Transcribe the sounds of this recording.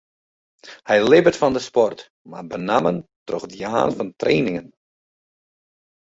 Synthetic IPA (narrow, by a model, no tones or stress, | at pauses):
hɛjlɪbərtfɔndəspɔrt | ma̰bənaməntro̰xdiha̰ːnfɔntreːnɪŋən